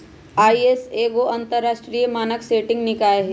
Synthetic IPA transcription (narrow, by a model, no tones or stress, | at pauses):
aːieseːɡoɐ̃nt̪əɾːaːʃʈɾiːjmaːnəkseːʈɪ̃ŋɡnɪkaːeɦe